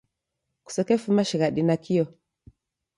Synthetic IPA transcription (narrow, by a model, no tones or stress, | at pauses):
ku̥sakefumaʃiɣaɗinakʰijo